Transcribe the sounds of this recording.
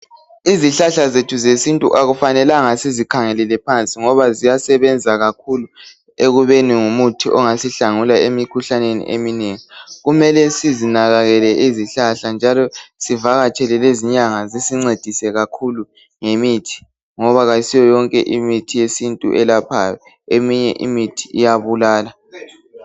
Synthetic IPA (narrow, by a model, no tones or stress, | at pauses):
iziɬaɬazetʰuzesintʼṵʔaɣufanɛlaŋasizikʰaŋɛlɛlɛpʰant͡sʼiŋɔβazijasɛβɛnd͡zʱaɣakʰulu | eɣuβeniŋumutʰiʔɔŋasiɬaŋulaemikʰuɬanenḭʔemineŋiɣumɛlɛsizinaɣaɣɛlɛʔiziɬaɬand͡ʒʱalɔsivaɣat͡ʃʼɛlɛleziɲaŋazisiŋ͡ǀed̥ʱisɛɣakʰulu | ŋemitʰi̥ | ŋɔβaɣaisijɔjɔŋkʼɛ̰ʔimitʰijesintʼṵʔɛlapʰajɔ | emiɲɛ̰ʔḭmitʰi̥ijaβulaːla